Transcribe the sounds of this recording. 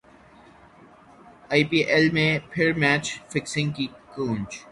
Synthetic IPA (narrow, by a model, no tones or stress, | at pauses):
aːipiːʔɛlmẽpʰɪɾmɛːt͡ʃfɪksɪ̃ŋ̚kikũːnt͡ʃ